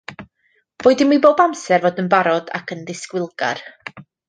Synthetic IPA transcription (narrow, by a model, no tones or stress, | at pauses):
v̥oːɨdɪnmiboːbamsɛrvoːdənbaɾɔda̰kʰənðɪskwɪlˠɡa̰r